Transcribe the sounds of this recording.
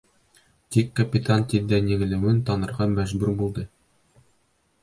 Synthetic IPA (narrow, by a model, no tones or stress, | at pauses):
t̪ikːɐpʲɪt̪ant̪ild̪ænɘ̆ɡɘ̆lɘ̆wɘnt̪ɑnɤ̆ɾʁɑmæʒbʉɾbulˠd̪ɤ